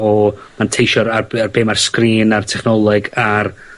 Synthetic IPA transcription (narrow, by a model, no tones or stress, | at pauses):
ɔmantʰejʃɔɾaarbeːmarskriːnartʰɛχnɔlˠɨɡar